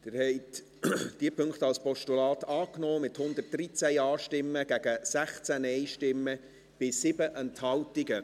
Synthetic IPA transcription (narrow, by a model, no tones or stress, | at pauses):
d̥̪ɪɾhɛɪt | d̥iəpʰɵŋkχt̪ɑlspʰɔʃtulɑːt̪ɑːknɔːmɪt̪hʊnd̪ət̚d̥ɾit͡sæjɑːʃtɪmːəɡ̥æɡ̥əsæχt͡sænɛɪʃtɪmːə | b̥ɪsɪbəʔɛnt̪hɑwtɪɡə